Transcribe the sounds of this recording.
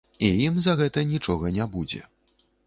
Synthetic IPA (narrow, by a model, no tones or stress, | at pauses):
ijimzɐɣɛt̪ɐnʲit͡ʂɔɣɐnʲabud͡zʲɛ̰